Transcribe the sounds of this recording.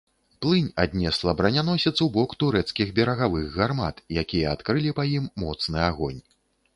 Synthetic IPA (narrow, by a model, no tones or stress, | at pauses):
plˠɨnʲad̪ʲnʲɛslˠɐbɾɐnʲanɔsʲɐt̪swbɔkt̪uɾɛt̪skʲiɣbʲɛɾɐɣavɨɣɣarma̰t̪jakʲijɐat̪kɾɨlʲipajimːɔt̪snɨaɣɔnʲ